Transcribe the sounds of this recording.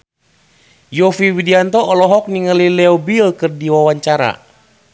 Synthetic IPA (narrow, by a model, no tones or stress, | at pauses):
jɔfiwidiant̪ɔːlɔɦɔk̚niŋalilɛɔbilkɨrdiwawaɲt͡ʃaɾa̰